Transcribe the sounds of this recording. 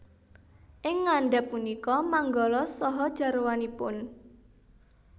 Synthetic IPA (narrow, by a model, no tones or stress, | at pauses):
ʔɪŋːaɳɖɛpːunikɔmaŋɡɔlɔsɔɦɔd̥ʒ̥a̤ɾwanipʊn